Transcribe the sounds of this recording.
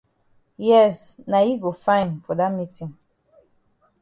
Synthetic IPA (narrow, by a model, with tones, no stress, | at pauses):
jɛ˦sna˨ji˦ɡo˨fã˦ɪ̃˨nfɔ˨da˦mi˦tĩ˨ŋ